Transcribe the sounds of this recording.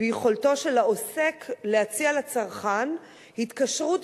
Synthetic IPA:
ejeχo̞lto̞ʃelao̞se̞kleat͡sialat͡saʁχan | hitkaʃʁut

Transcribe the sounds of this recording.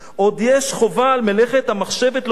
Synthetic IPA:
ʔod̪jeʃχo̞valmeleχet̪hamaχʃevet̪l

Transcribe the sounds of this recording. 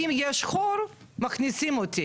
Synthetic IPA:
imjeʃχoɾ | maχnisimot̪ʰi

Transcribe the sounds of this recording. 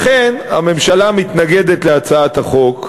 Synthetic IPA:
χena̰me̞mʃalamit̪naɡed̪etleat͡saat̪haχo̞k

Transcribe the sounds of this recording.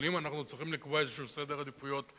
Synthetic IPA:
limanaχnut͡sʁiχimlikboezeʃuused̪eʁad̪ifujo̞t̪

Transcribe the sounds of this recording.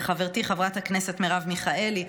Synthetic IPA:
χaveʁt̪iχavʁathaknese̞tmeʁavmiχae̞li

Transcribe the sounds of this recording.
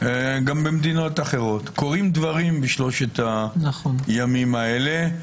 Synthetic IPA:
ɡambemd̪ino̞taχe̞ʁo̞t̪ko̞ʁimd̪vaʁimbiʃlo̞ʃet̪anaχonjamimaele

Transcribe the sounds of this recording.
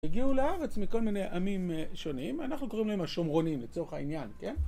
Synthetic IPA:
iɡiuleaʁe̞t͡smiko̞lmine̞jʔamimʃo̞nimanaχnuko̞ʁimlaemhaʃomʁo̞nimlet͡so̞ʁeχainjanke̞n

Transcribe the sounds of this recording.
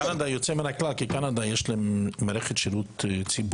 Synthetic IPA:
anad̪ajot͡sɛmɪnaklalˠkɪkanad̪ajɛʃlɛmmaɾɛχet̪ʃiɾuːt̪t͡sib

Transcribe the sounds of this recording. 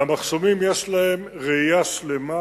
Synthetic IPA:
amaχso̞mimjeʃlae̞m | ʁeijaʃle̞ma

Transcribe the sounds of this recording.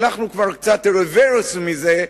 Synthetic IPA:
naχnukvaʁkt͡sat̪eʁeveɾusmize

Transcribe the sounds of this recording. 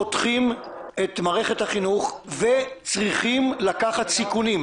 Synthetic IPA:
otχimet̪maːʁe̞χe̞thaχinuχvet͡sʁiχimlakaχat̪sikunim

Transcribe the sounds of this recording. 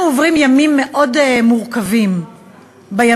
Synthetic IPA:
ovʁimjamimːeʔo̞dmuʁkavim | baja

